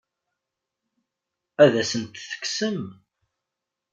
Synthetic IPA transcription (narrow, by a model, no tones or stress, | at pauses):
æðæsənt̪θə̥ksəm